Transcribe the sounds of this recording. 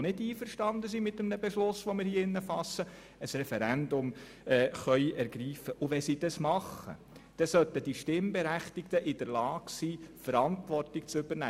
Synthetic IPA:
nɪdiːfəɾʃtɑnd̪əsimɪt̪ːəmnəbɛʃlʊsʋomɪɾhiːɪnːəfɑsːə | əsrɛfɛɾænd̪ʊm | ɛːχœʏʔɛɾɡɾiːfəʔʊʋɛsid̥̪ɑsmɑχːə̰ | d̥ɛsœt̪əd̥iʃtɪmbɛɾæχt̪ɪkt̪əʔɪd̥̪əɾlɑːɡsiːfəɾɑntʋɔrtɪkt͡sʏb̥əɾnæː

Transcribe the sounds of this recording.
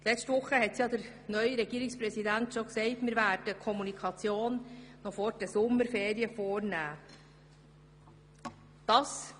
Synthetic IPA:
lɛt͡ʃtʋʊχːəɦɛtsjɑd̥əɾ | nœʏɾɛɡiːɾɪkspɾɛsidæntʃoksɛɪtmɪɾvædəkʰɔmunikʰɑt͡sjoːnːɔfɔɾd̥əsʊmːəɾfeːɾiəfɔːɾnæː | d̥ɑs

